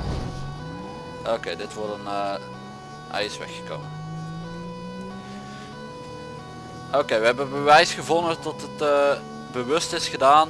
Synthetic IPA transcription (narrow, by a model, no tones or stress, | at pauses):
ʔokeːdɪtʋɔɹdənə | ɛ̰jsʋɛ̰xə̥ko̰wmən | okejʋəɦɛbəbəʋɛjsχəvɔnətɔtətə | bəʋɵstɪsχədaːn